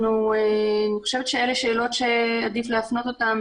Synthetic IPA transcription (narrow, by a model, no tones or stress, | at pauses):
nueaniχoʃevet̪ʃe̞eleʃeːlo̞tʃeadifleafno̞t̪ot̪am